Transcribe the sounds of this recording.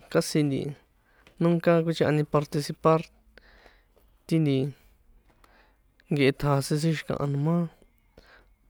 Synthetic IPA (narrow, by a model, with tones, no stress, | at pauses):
ka˦si˧nd̪ḭ˨ | nũ˦ŋka˦ku˦t͡ʃi˧˦ʔa̰˧nĩ˧pa˧ɾt̪i˧si˧pa˦ɾ | t̪i˦nd̪i˧ | ŋɡe˧e˧t̪ʰa˨˧si˧s̬i˦ʃ̬i˧kã̰˧ʔa̰˧nũ˧mã˦